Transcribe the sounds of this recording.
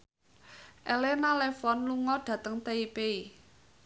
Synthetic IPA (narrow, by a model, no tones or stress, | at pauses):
ʔɛlenalɛfɔnluŋɔɖ̥ä̤t̪əŋt̪eipei